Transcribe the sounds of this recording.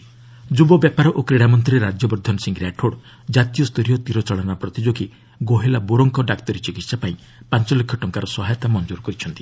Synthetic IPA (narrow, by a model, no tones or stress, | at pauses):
d͡ʒubɔbjapaɾɔʔokɾeɽamɔnt̪ɾiɾad͡ʒjɔbɔɾd̪ʱɔnɔsiŋɡɾaʈʰoɽ | d͡ʒat̪ijɔst̪uɾijɔt̪iɾɔt͡ʃɔɭɔnapɾɔt̪id͡ʒoɡi | ɡoɦelaboɾɔŋkɔɖakt̪ɔɾit͡ʃikit̪sapaĩ | pant͡ʃɔlekʰːɔʈɔŋkaɾɔsɔɦajɔt̪amɔnɔd͡ʒuɾɔkɔɾit͡ʃʰɔnt̪i̥